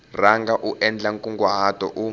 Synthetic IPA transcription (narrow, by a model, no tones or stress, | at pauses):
raŋɡaʔuʔɛnd͡ɮaŋkʼuŋɡwaɦad̥ʱɔʔu